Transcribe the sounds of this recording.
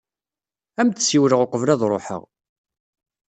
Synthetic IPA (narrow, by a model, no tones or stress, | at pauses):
æmt̪əsiwɾəʁoqəvlæðɾˤo̰ħə̰ʁ